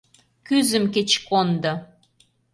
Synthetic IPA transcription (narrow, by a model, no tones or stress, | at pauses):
kyzə̆mket͡ɕkond̪ɤ̆